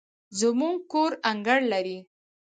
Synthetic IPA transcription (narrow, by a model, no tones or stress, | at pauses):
zəmuŋɡ̚koɾaŋɡəɽlaɾi